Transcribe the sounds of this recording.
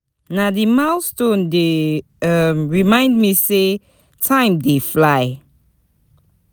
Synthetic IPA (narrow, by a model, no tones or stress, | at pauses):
nadimaʊstõnde | ʌmɹimãɪ̃ndmise | tʰãɪ̃mdeflaɪ